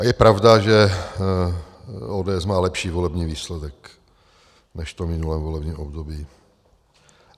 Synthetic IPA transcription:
jɛpɾavdaʒɛ | oːdɛːɛsmaːlɛpʃiːvolɛbɲiːviːslɛdɛk | nɛʃt̪omɪnulɛːmvolɛbɲiːmʔobdobiː

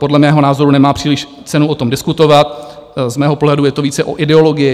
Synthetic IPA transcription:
po̞dlɛmɛːɦo̞naːzo̞ɾunɛmaːpr̝̥iːlɪʃ | t͡sɛnuʔot̪o̞mdɪskut̪o̞vat̪̚zmɛːɦo̞poɦlɛdujɛt̪oviːt͡sɛʔo̰ʔɪdɛo̞lo̞ɡɪjɪ

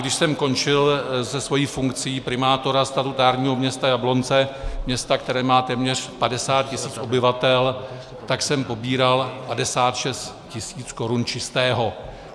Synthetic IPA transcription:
ɡdɪʃsɛmko̞nt͡ʃɪlzɛsvo̞jiːfuŋkt͡sɪjiːpɾɪmaːt̪o̞ɾast̪at̪ut̪aːɾɲiːɦo̞mɲɛst̪ajablo̞nt͡sɛmɲɛst̪ak̚t̪ɛɾɛːmaːt̪ɛːmɲɛr̝̥padɛsaːt̪̚cɪsiːt͡sʔo̞bɪvat̪ɛl | t̪aksɛmpo̞biːɾalpadɛsaːt̪ʃɛst̪cɪsiːt͡sko̞ɾunt͡ʃɪst̪ɛːɦo̞

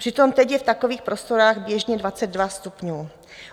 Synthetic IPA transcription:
pr̝̥ɪt̪o̞mt̪ɛcjɛft̪akoviːxpɾo̞st̪o̞ɾaːɣbjɛʒɲɛdvat͡sɛd̪̚dvast̪upɲuː

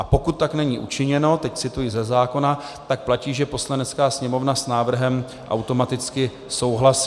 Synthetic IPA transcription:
ʔapo̞kut̪ːaknɛɲiːʔṵt͡ʃɪɲɛno̞t̪ɛct͡sɪt̪ujizɛzaːko̞nat̪ak̚placiːʒɛpo̞slanɛt͡skaːsɲɛmo̞vnasnaːvr̩ɦɛm | ʔa̰wt̪o̞mat̪ɪt͡skɪ | so̞wɦlasi̥ː

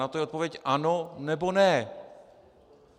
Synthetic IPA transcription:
at̪ojɛot̪̚povjɛcʔanonɛbo̞nɛ

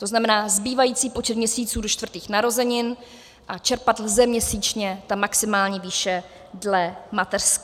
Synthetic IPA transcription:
t̪o̞znamɛnaːzbiːvajiːt͡siːpot͡ʃɛt̪mɲɛsiːt͡suːdo̞t͡ʃt̪vrt̪iːxnaɾo̞zɛɲɪn | ʔat͡ʃɛɾpad̪l̩zɛmɲɛsiːt͡ʃɲɛt̪amaksɪmaːlɲiviːʃɛ | dlɛmat̪ɛrsk

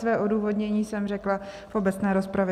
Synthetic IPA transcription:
svɛːʔo̞duːvo̞dɲɛɲiːsɛmrɛklafʔo̞bɛt͡snɛːɾo̞spɾavjɛ

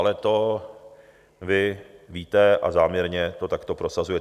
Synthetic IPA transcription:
lɛt̪o | vɪviːt̪ɛʔa̰zaːmɲɛɾɲɛt̪o̞t̪akt̪o̞pɾo̞sazujɛt

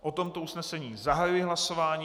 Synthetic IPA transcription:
ʔo̞t̪o̞mt̪o̞usnɛsɛɲiːzaɦajujɪɦlaso̞vaːɲiː

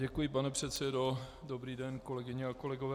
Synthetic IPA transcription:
ɟɛkujɪpanɛpr̝̥ɛt̪sɛdo̞dobɾiːdɛnko̞lɛɡɪɲɛako̞lɛɡovɛː

